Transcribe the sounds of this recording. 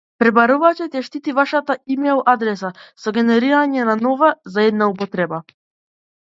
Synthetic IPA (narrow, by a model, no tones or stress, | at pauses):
pɾɛbaɾuvat͡ʃɛt̪ɛʃt̪it̪ivaʃat̪aimɛlˠad̪ɾɛs̬asɔɡɛnɛɾiɾaɲɛnanɔvazaɛd̪̚naupɔt̪ɾɛba